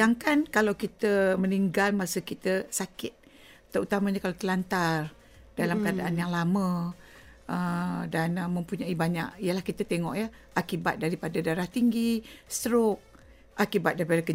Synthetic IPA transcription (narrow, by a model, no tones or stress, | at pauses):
aŋkankalawkit̪əməniŋɡalmasəkit̪əsakɪt̪̚ː | əɾut̪amaɲəkalat̪əlant̪ar | dalamkəadaʔanjaŋlamə̃ | ədanəmə̃mpuɲaibaɲa̰ʔijəlahkit̪ət̪eŋɔ̰ʔjə | ʔakibat̪̚daɾipadadaɾaht̪iŋɡist̪əɾok̚ | ʔakibat̪̚daɾipaɾahkə